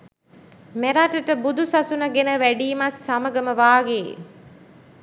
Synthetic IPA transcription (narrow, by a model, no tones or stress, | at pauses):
meɾaʈəʈəbud̪ʱusasunəɡenəʋæɖiːmat̪saməɡəməʋaːɡḛ